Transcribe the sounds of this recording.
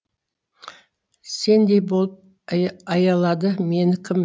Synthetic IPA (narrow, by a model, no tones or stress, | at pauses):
se̞nd̪e̞jbo̞lˠəp̚ | ɑjɑlˠɑd̪əme̞nɪkʲʰɪm